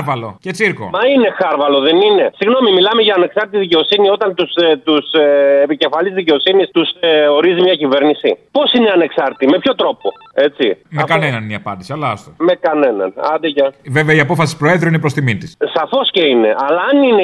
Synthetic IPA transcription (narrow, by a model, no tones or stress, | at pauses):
ɾvɐlo̞̰cet͡siɾko̰ɐine̞xɐɾvɐlo̞ðe̞nine̞siɣno̞mimilɐmeʝɐːne̞ksɐɾt̪it̪iðice̞o̞sinio̞t̪ɐnt̪ust̪usepice̞fɐlizðice̞o̞sinist̪usoɾizimɲɐcive̞ɾnisḭpo̞sineɐne̞ksɐɾt̪ime̞pço̞t̪ɾo̞po̞ | e̞t͡simekɐnenɐnniɐpɐnd̪isiɐlɐɐst̪ome̞kɐne̞nɐ̰nɐ̰d̪ecɐve̞veɐiɐpo̞fɐsi̥pɾo̞e̞ðɾoinepɾo̞st̪imint̪issɐfo̞sce̞ine̞̰ʔɐlɐːnine